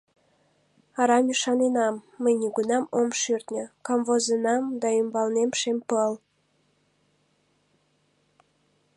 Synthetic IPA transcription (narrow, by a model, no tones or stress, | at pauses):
ɑɾɑmyʃɑnenɑmːəjniɡunɑmomʃyrt̪nʲə̆kɑmvozenɑmd̪ɑymbɑlnemʃempəl